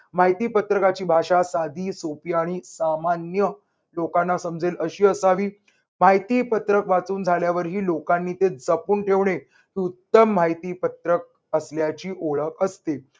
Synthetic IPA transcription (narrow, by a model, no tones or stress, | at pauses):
m̤aɦit̪iːpət̪ɾəkat͡ɕiːbʱaʂasad̪iːsopiaɽ̃isamanjə | lokanːasəmd͡zʱeləɕiːəsaʋiː | m̤aɦjt̪iːpət̪ɾəkʋat͡suːnd͡zʱaljaʋəɾɦiːlokanːiːt̪ed͡zəpuːɳʈʰeʋɳe | ɦiːut̪ːəmːajt̪iːpət̪ɾək̚ | əsljat͡ɕiːʔoɭəkəst̪e